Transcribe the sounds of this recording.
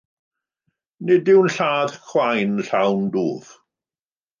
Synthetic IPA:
nɪdɪwnɬaːðxwajnɬawndoːð̥

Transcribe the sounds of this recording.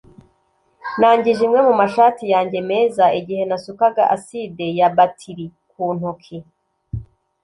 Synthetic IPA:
naːɲɟiʒimŋe̞mumaʃaːtijaːɲɟe̞me̞ːzaiɟihe̞nasukaɡaʔaside̞jabatʰiɾikuːn̥ukʰi

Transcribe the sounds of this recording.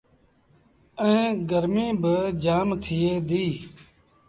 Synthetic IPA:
ə̃ẽːɡəɾmĩːbəd͡ʒaːmt̪ʰɪjeːd̪iː

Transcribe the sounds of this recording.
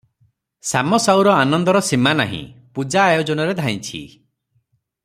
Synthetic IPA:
samɔsawɾɔanɔnd̪ɔɾɔsimana̰ɦḭ̃pud͡ʒaːjɔd͡ʒɔnɔɾed̪ʱaj̃t͡ʃʰḭ

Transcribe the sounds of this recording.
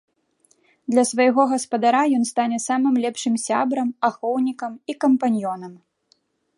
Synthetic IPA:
d̪lʲɐsvɐjɣɔɣɐspɐd̪aɾajɔnst̪anʲɛsamɨmlʲɛpʂɨmsʲa̰bɾɐmaxɔwnʲikɐmikɐmpanʲjɔnɐm

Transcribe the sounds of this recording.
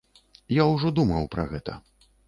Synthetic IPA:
jawʐɔd̪umɐwpɾɐ̰ɣɛt̪ɐ̰

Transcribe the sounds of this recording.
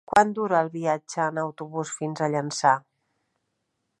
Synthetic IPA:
kwʔand̪uɾəːlˠβiad͡ʒəːnəwt̪uβusfinzəʎənsa

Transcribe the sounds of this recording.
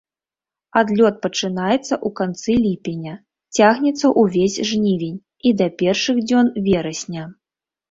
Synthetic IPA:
ad̪lʲɔt̪̚pɐt͡ʂɨnajɛt̪sːɐʔukant̪sɨlʲipʲenʲɐ | t͡sʲaɣnʲɛt̪sɐʔuvʲesʲʐnʲivʲenʲ | id̪ɐpʲɛrʂɨɣd͡zʲɔnvʲɛɾɐsʲnʲɐ

